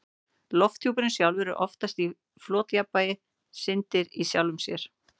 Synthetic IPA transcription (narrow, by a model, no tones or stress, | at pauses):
lɔft̪ʰjuːpɪnɪsjawlvɛɾʏɾʔɔ̰ft̪ast̪i | flɔːt̪japːajɪ | sɪnt̪ɪɾisjawlʏmsjɛɾ̥